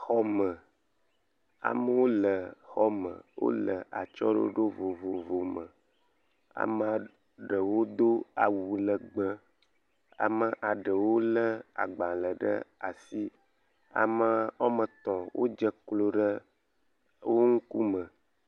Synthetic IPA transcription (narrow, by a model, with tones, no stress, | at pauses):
xɔ˦mə˨ | a̰˨mə˦wo˦lə˨xɔ˦mə̰̃˨wo̰˦lə˨a̰˨t͡ʃɔ˦ɖə̰˦o˦ɖo˦vo˨vo˨vo˨mə˨ | a̰˨mə˦a˨ | ɖə˨wo˦d̪o˦a˨wu˨lə˨ɡ͡bə˦ | a̰˨mə˦ʔa˨ɖə˨wo˦lə˦a̰˨ɡ͡ba˨lə˨ɖə̰˦a̰˨si˦ | a̰˨mə˦ɔ˦mə˨t̪ɔ̃˨wʔo̰˦d͡ʒə˦klo˦ɖə˦ | wo˦ŋ̩˦ku˦mə˨